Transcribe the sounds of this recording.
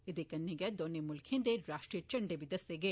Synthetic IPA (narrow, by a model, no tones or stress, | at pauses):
id̪ekɐnːiɡɐd̪onːemulkʰind̪eɾaːʂʈɾijɐt͡ʃɐɳɖeʋid̪ɐseɡe